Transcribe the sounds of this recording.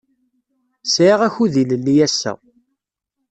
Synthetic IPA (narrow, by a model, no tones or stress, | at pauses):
sʕiʁæçuðiləlːijæsːæ̰